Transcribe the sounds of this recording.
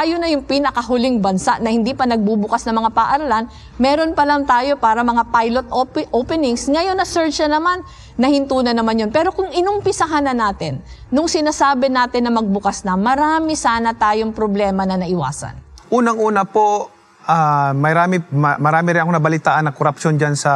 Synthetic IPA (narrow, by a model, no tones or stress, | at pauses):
ʔaːjonɐjʊŋpɪnɐkɐɦʊlɪŋbɐnsaʔnɐhɪnd̪iːpɐnɐɡ̚bubʊkasnɐmɐŋapɐʔɐɾɐlan | mɛːɾo̞npɐlɐŋt̪aːjo̞paːɾɐmɐŋapajlot̪̚opʔopɛnɪŋsŋɐjo̞nːɐsɛɹt͡ʃɐnɐmanː | ɐhɪnt̪uːnɐnɐmanjonpɛːɾo̞kʊŋɪnʊmpɪsɐɦanɐnaːt̪ɪnːʊŋsɪnaːsaːbɪnaːt̪ɪnːɐmɐɡ̚bʊkasnɐmɐɾaːmɪsaːnɐt̪aːjo̞ŋpɾoblɛːmɐnɐnɐʔɪwa̰ːsɐ̰nʔuːnɐŋʔuːnɐpo | ʔamɐjɾaːmɪmmɐɾaːmɪɾɪnɐkonɐbɐlɪt̪aːʔɐnːɐkoɾɐpʃond͡ʒansɐ